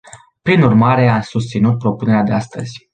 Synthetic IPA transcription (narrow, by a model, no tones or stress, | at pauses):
pɾinurmaɾe̞amsust̪sinut̪̚pɾo̞pune̞ɾead̪e̞ast̪ə̰z̥ʲ